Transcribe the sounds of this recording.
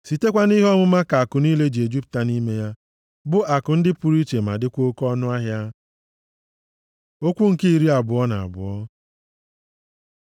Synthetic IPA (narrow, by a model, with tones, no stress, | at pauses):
si˨te˦kʷa˦ni˦ɦɔ˦mʊ˦ma˦ka˨a˨kʊ˨ni˦le˦d͡ʒi˨e˨d͡ʒi˦p̚ta˨ni˦me˦ja˦ | bʊ˦a˨kʊ˨n̩˦dɪ˦pu˨ɾi˦t͡ʃe˨ma̰˨dɪ˦kʷo˦kɔ˦nʊ˦a˦ɦja˦ | o˦kʷu˦ŋ̩˨ki˦i˨ɾi˦a˨bʊ˨ɔ˦na˨a̰˨bʊ̰˨ɔ˦